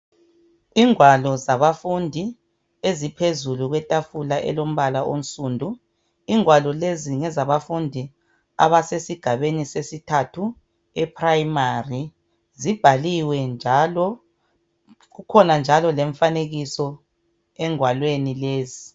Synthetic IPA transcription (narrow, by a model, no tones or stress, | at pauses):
iŋwalɔzaβafundʱi | ezipʰezuluɣwɛtʼafulaʔɛ̰lom̩βalaʔo̰n̩sʼuːndʱu | iŋwalɔleziŋɛzaβafundʱi | a̰βasesiɡ̥ʱaβenisesitʰatʰu | ɛpʰrajimari | zib̥ʱaliwɛnd͡ʒʱalɔ | ɣukʰɔnand͡ʒʱalɔleɱfaneɣisɔ | ɛŋwalwenileːzi